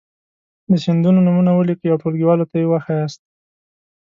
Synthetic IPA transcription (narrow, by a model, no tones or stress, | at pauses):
d̪əsɪnd̪unonumunawəlikiawʈolɡiwɑlot̪ajewaxajast̪